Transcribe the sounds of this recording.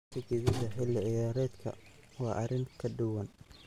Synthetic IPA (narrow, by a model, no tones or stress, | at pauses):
t̪ɪɡɪðɐðɐħɪlːɪʕɪjaːɾɛːd̪kʰɐ̰ | wɑːʔɐɾɪŋkʰɐɖʊwɐn